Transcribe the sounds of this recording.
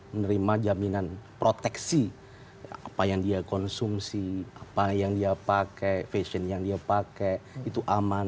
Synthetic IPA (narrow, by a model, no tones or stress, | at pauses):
mənəɾimad͡ʒaminanpɾot̪ɛksi | apajaŋdiakɔnsumsiapajaŋdiapakɛfesənjaŋdiapakɛit̪uʔaman